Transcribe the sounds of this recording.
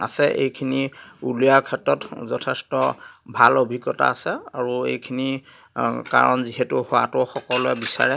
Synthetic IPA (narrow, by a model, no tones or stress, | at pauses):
a̰sɛʔḛjkʰiniulijaɹkʰɛtɹɔtzɔtʰɛstɔbʱalobʱiɡɔta̰ːsɛaɹuḛjkʰini | ka̰ɹɔnziɦɛtʊhowa̰tʊxɔkɔloɛbisa̰ɹɛ